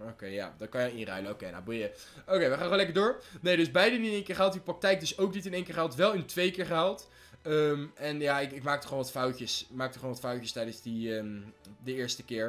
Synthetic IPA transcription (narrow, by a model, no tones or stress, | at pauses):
okejja̰ːdɑtkɑnjɪnrœ̰ɥlənowkejna̰bujə | okejʋəχaːnχolɛkəɹdʊːɹnejdɵzbɛjdəniɪnejŋkɪːɹχalˠtiprɑk̚tɛjk̚dɵsowknitɪnejŋkɪːɹχɦɛlˠtʋɛlˠɪntʋejkɪːɹχəalˠt | əmɛnjaɪkɪkmaːk̚tɔ̥χonʋɑtfɑwəsmaːk̚tɔχoːnʋɑtfɑwcəstɛjdənzdiədəɪːɹstəkɪːɹ